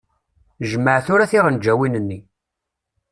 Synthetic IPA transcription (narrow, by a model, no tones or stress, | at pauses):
ʒəmːəʕθʊɾæθiʁənd͡ʒːæwinənːi